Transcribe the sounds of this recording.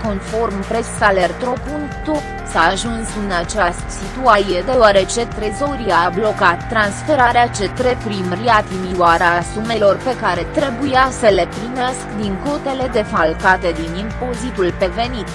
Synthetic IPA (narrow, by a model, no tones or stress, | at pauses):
ko̞nfo̞rmpɾe̞salert̪ɾo̞punt̪ot̪ | saːʒunsɨnat͡ʃast̪sit̪uasijed̪e̞oaɾe̞t͡ʃe̞t̪ɾezo̞ɾiaablo̞kat̪ːɾansfe̞ɾaɾeat͡ʃe̞t̪ɾe̞pɾimriat̪imiwaɾasume̞lo̞rpe̞kaɾe̞t̪ɾe̞bujasəle̞pɾimeeskd̪iŋko̞t̪e̞le̞d̪e̞falkat̪e̞d̪inimpo̞zit̪ulpe̞ve̞nit̪